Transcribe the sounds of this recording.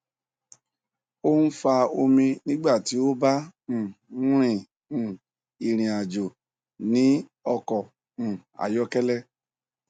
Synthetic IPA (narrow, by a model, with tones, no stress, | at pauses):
o˦n̩˦fa˧o˧mĩ˧nĩ˦ɡ͡ba˦˨ti˨˦o˦bã˦˨˦ | ɾ̃ĩ˦˨ | i˨ɾ̃ĩ˨a˨d͡ʒo˨ | nĩ˨˦ɔ˧kɔ̃˨ | a̰˨jɔ˦kɛ˦lɛ˦